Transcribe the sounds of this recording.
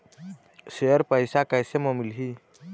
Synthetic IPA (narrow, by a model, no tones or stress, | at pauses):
sejəɾpəjsakajsemɔmilɦi